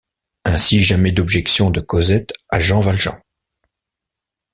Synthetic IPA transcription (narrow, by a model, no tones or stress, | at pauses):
ɛ̃siʒamɛd̪ɔbʒɛksjɔ̃d̪əkɔzɛt̪a̰ʒɑ̃valʒɑ̰̃